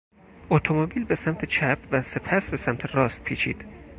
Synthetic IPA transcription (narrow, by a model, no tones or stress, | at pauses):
ot̪ʰomobiːlbesæmt̪ʰet͡ʃʰæpʰvæse̞pʰæsbesæmt̪ʰerɒːst̪̚pʰiːt͡ʃʰḭːd̪̥